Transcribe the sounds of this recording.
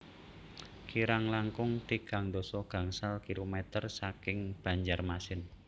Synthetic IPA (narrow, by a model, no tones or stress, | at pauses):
kiɾaŋlaŋkʊŋt̪iɡ̥aŋd̪ɔ̤sɔɡ̥a̤ŋsalkilomɛt̪ərsakɪŋb̥a̤ɲd͡ʒarmasɪn